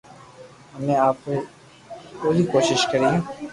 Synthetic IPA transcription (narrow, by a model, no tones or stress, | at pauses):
ɦɐmẽaːpe | koːɾikoːʃɪʃkɐɾiɦɛ̃ː